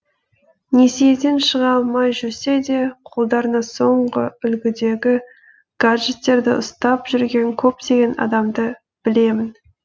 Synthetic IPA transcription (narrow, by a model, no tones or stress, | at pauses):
nesijed̪e̞nʃəʁɑlˠmɑjʒɵɾse̞d̪e̞qʰolˠd̪ɑɾənɑso̞ɴʁə̰ʏlɡʲɪd̪e̞ɡʲɪ | ɡ̥aʒet̪ːe̞ɾd̪ɪ̰ʔʊst̪ɑpʒ̥ʏɾɡʲe̞ŋkʲʰɵpt̪e̞ɡʲe̞nɑ̰d̪ɑmd̪ə | b̥ɪle̞mɪn